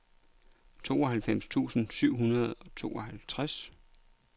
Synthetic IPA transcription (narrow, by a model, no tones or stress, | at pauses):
t͡sʰo̝̰ːɒ̽ɦælfem̰st͡sʰṵːsn̩syʊ̰ɦunɐðˠɒ̽t͡sʰo̝̰ːɒ̽ɦælt͡sʰʁas